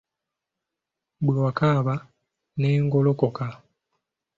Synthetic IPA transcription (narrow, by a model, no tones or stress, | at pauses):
bwokaβa | neːŋɡolokoka